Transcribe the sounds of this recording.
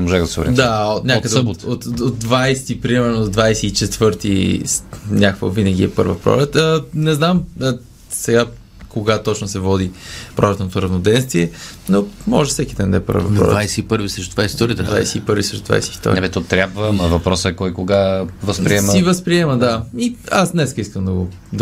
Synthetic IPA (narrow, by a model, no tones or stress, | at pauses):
ɛmoʒaɣɐsiɡuɾɛ̰d̪aot̪nʲakəd̪ɛot̪ot̪od̪̚d̪vajsɛ̥t̪ipɾimɛɾnod̪vajsɛit͡ʃɛt̪vɤɾt̪isnʲakvə̰vinəɡ̟iɛpɤ̰ɾvəpɾɔ̰lɛt̪ənɛznamə | sɛɡa | koɡat̪ɔt͡ʃnosɛvɔd̪ipɾʔɔɾlɛt̪not̪oɾɐvnod̪ɛnst̪viɛnomɔʒɛfsɛkʲid̪ɛnd̪ɐɛpə̰ɾvvɐ̰pɾɔ̰ɾ̰vajsɛipɤɾvisɾɛʃt̪ot̪vajist̪ɔɾiət̪d̪va̰jsɛipəɾvisɾɛʃt̪od̪va̰jsɛift̪ɔ̰ɾ̰ɛmɛt̪ɔt̪ɾʲabvəmvɐpɾɔsəɛkɔjkoɡavəspɾiɛməivəspɾiɛməd̪aiasnɛskəiskəmd̪əɡo | d̪